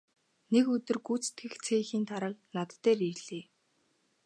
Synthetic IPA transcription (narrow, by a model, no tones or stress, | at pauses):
nekɵt̪ɵ̆rɡuːt͡st̪ɡɘ̆xt͡sʰeːxiːnt̪ʰaɾə̆knat̪t̪ːeːriɮ̥iː